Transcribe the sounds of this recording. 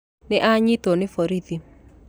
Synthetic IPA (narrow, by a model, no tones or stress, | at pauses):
nɪʔaɲit̪onɪfoɾiði